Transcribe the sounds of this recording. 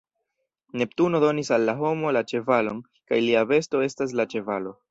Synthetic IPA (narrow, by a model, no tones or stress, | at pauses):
ne̞ptuno̞do̞nisalːaɦo̞mo̞lat͡ʃe̞valo̞n | kajliave̞sto̞e̞stas̬lat͡ʃe̞valo̞